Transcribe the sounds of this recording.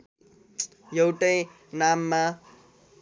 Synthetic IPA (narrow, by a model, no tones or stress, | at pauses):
jʌwʈʌj | namːa